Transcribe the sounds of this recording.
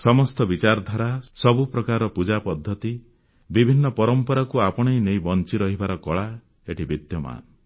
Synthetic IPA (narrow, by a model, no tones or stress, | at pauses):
sɔmɔst̪ɔbit͡ʃaɾɔd̪ʱaɾasɔbupɾɔkaɾɔpud͡ʒapɔd̪ʱːɔt̪i | bibʱinːɔpɔɾɔmpɔɾakuapɔɽ̃ajnejbɔnt͡ʃiɾɔɦibaɾɔkɔɭa | eʈʰibid̪jɔma̰n